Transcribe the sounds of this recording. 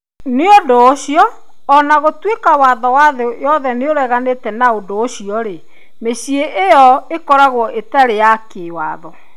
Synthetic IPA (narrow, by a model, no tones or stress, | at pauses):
neodoɕiɔː | naɣotwekawaðɔwaðojɔðɛneoɾɛɣanetɛnaodoːɕiɔɾe | meɕieʔejɔekɔɾaɣwɔʔetaɾejakewa̰ðɔ